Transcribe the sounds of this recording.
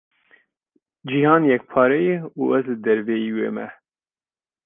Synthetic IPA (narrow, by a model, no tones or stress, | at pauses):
d͡ʒihɑːnjɛk̚pʰɑːɾɛjɛuɛzlɨd̪ɛɾvɛjiːwḛːmɛ̰